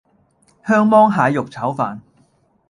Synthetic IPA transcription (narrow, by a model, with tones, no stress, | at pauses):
hœː˥ŋmɔː˥ŋɦaː˨˧jʊ˨k̚t͡sʰɐ˨˥wfaː˨n